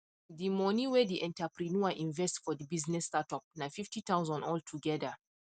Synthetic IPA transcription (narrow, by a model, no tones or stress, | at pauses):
dimɔniwɛdiʔɛ̃ntapɾinuaʔĩnvɛstfɔdibiznɛsːtatɔp̚nafiftitãʊ̃nsɔ̃nɔltʰuɡɛdə